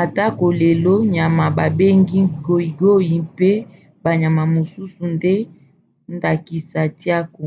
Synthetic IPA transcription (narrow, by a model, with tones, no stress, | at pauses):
a˨ta˦ko˨le˨lo˦ɲa˨ma˨ba˨be˦ŋɡi˦ɡo˦i˨ɡo˦ji˨pe˦ | ba˨ɲa˨ma˨mo˨su˦su˨nde˦ | nda˨ki˨sa˨ti˦a˦ko˨